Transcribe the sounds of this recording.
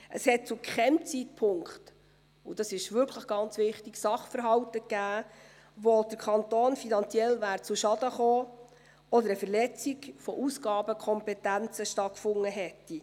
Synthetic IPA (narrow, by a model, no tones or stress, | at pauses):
ʔəshɛt̚t͡sukχɛmt͡sit̚pʰʊŋkχt | udɑsɪʃʋʏɾkʰləχɡ̥ɑnt͡sʋɪχtiksɑχfəɾɦɑwtəɡæː | ʋod̥əɾkʰɑnt̪oːnfinɑnt͡sjɛlvæːɾt͡suʃɑd̥əχoː | ɔd̪əɾəfəɾlɛt͡siɡfɔʔusɡ̥ɑːbəkʰɔmpɛtænt͡səʃtɑt̚kfʊŋːəɦɛtːi